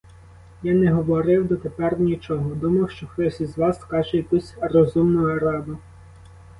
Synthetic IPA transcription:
janɛɦɔʋɔɾɪwd̪ɔt̪epɛrnʲit͡ʃɔɦɔd̪umɐwʃt͡ʃɔxt̪ɔsʲizʋɑskɑʒɛjɐkusʲrɔzumnʊjɐɾɑd̪ʊ

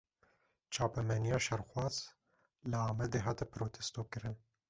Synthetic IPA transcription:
t͡ʃʰɑːpɛmɛnijɑːʃɛɾxwɑːz̥ | lɨɑːmɛd̪eːɦɑːt̪ɛpɾoːt̪ʰɛst̪oːkɨɾɨn

